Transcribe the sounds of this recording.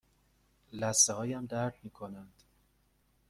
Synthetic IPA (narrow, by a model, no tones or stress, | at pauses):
læsehɒːjæmd̪æɾd̪miːkʰonænd̪̥